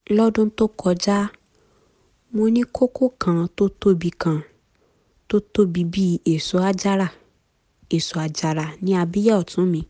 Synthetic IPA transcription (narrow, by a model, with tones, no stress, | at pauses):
lɔ˦dũ˦n̩˦to˦kʰɔ˧d͡ʒa˦ | mo˧nĩ˦kʰo˦kʰo˦kʰã˧˨to˦to˦bi˧kã˧˨ | to˦to˦˨bi˧bi˦e˨so˨˦a˧d͡ʒa˦ɾa˦˨ | e˨so˨a˧d͡ʒa˧ɾa˧˨nĩ˦a˧bi˦ja˦ɔ˨tũ˨˦mĩ˧˦